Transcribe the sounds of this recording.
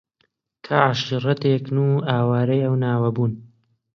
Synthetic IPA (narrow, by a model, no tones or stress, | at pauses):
kʰaːʕaʃiːrɐt̪eːknuːaːwaːɾɐjɐwnaːwɐbuːn